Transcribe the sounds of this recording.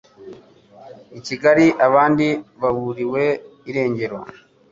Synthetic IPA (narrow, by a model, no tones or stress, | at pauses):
iciɡaɾiʔaβaːndiβaβuɾiwe̞iɾe̞ːɲɟe̞ɾo